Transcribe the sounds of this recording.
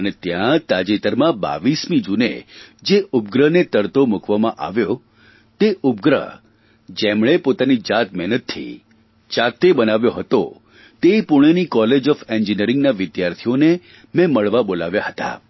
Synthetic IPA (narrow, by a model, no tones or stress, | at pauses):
ənet̪jãt̪ad͡ʒit̪əɾmãba̰ʋismĩd͡ʒunḛd͡ʒeʔʊb̚ɡɾənet̪əɾt̪omukʋamãʔa̰ʋjo | t̪eʔʊbɡɾə̰ | d͡ʒemɭ̃epot̪anid͡ʒat̪mɛɦnət̪ʰːḭ | d͡ʒat̪ːebənaʋjoɦət̪o̰ | t̪eipʊɽ̃enikɔled͡ʒɔfend͡ʒiniəɾɪĩŋɡnaʋɪd̪jaɾt̪ʰijone | mɛ̃məɭʋabolaʋjaɦət̪a̰